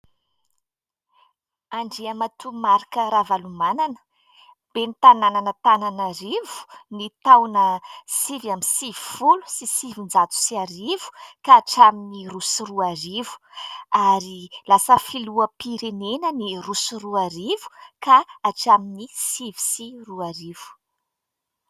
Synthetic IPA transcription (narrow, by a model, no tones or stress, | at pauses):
aɳɖ͡ʐiamat̪umaɾikəɾavalumananə̥ | b̥enit̪anananət̪ananaɾivu̥nit̪awnəsivamisivi̥fulu̥sisivind͡zat͡su̥siaɾivu̥kaːʈ͡ʂaminirusiɾuaɾivu̥aɾilasəfiluəpiɾenenənirusuruaɾivu̥kaːʈ͡ʂaminisivi̥siruaɾiv̥u̥